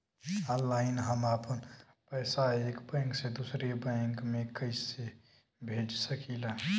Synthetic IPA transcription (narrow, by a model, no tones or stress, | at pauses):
ɔ̃nlaːɪnɦəmapən | pəɪsaekbɛ̃ŋksed̪usɾebə̃ŋkmẽkəɪse | bʱeːd͡ʒsəkila